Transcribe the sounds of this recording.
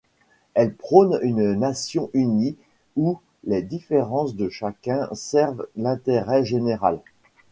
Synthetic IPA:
ɛlpχɔnynnasjɔ̃ʔyni | u | led̪ifeʁɑ̃sd̪əʃakʲɛ̃sɛʁvlɛ̃t̪eʁɛʒeneʁa̰l

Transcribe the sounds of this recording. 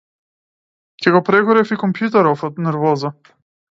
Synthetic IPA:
cɛɡɔpɾɛɡɔɾɛfikɔmpjut̪̬ɛɾɔfɔt̪nɛɾvɔza

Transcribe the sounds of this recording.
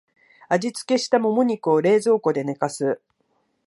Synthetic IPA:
aʑit͡sɨ̥ke̞ɕi̥t̪amo̞mo̞ɲ̟ikɯ̟oɾe̞ːzo̞ːko̞d̪e̞ne̞kasɨ

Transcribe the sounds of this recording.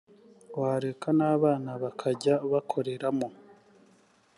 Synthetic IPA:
waːɾe̞kanaːβaːnaβakʰaɟaβakʰo̞ɾe̞ɾamo

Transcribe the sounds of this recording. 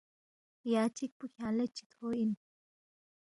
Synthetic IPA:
jat͡ʃik̚pukʲʰalɐt͡ʃːi̥t̪ʰoin

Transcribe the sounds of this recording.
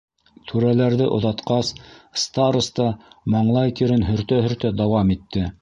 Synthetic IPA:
t̪ʰʉɾælæɾðɘʔŏðɑt̪qɑsst̪aɾust̪ɑmɑɴlˠɑjt̪iɾɘnɦɵ̆ɾt̪æɦɵ̆ɾt̪æd̪ɑwɑmit̪ːɘ

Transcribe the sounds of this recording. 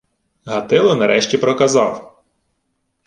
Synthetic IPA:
ɦɐt̪ɪlˠɔnɐɾʔɛʃtʲipɾɔkɐzɑw

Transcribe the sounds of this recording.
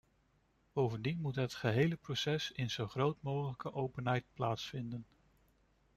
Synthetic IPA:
b̥owvəndinmutɦətχəɦejləprosɛsɪnz̥owχrowtmowχələkəʔowpənɦɛjt̚plaːtsfɪndən

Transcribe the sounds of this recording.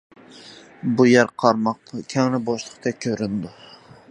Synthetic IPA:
bujæɾqʰɑɾmɑqkʲʰæŋnɪboʃlˠəqt̪ʰɛkʲʰøɾynd̪ʊ

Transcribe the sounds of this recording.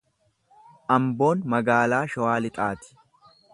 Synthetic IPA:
ʔɐmbo̞ːnmɐɡaːlaːʃɔwaːlɪt̪ʼaːt̪ɪ̥

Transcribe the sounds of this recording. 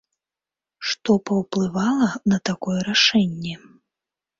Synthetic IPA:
ʂt̪ɔpɐwplˠɨvalˠɐnɐt̪akɔjɛɾaʂɛnʲːɛ

